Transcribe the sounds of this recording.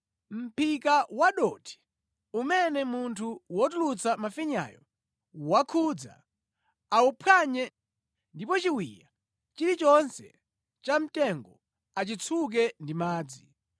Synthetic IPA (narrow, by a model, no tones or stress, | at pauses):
m̩pikawaɗɔtʰi̥ | umɛnɛmuntʰuwɔtulut͡samafiɲa̰jɔ̰ | wakʰud͡za̰ | aupʰaɲɛ | ndipɔt͡ʃiwija | t͡ʃiɾit͡ʃɔnsɛ̰ | t͡ʃam̩tɛŋɡɔ | at͡ʃit͡sʰuk̬ɛndimaːd͡zi